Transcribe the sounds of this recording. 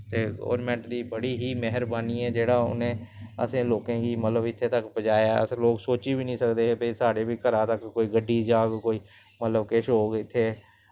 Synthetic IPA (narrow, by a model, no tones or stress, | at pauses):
t̪eːɡɔ̰ːɾmɛ̃ɳʈd̪iːbəɽiːɦiːmɛɦəɾbaːniːɛ̃ːd͡ʒeːɽaːʊ̰nẽːə̰sẽːloːkẽːɡiːmət̪ləbɪt̪ʰːeːt̪əkbəd͡ʒaːjaə̰sloːksoːt͡ʃiːbiːnĩːsəkd̪eːbəisaːɽeːbiːkəɾãːt̪əkːoːiːɡəɖːiːd͡ʒaːɡkoːiː | mət̪ləbkeːʃɦoːɡɪt̪ʰːeː